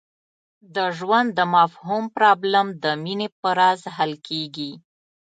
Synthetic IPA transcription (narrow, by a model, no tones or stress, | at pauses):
d̪əʒwand̪ːəmafɦumpɾɑblamd̪əminepəɾazɦalkʰeɡi